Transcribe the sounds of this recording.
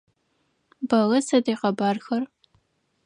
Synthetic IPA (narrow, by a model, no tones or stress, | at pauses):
bɐlɐsɐdejqɐbaːrxɐr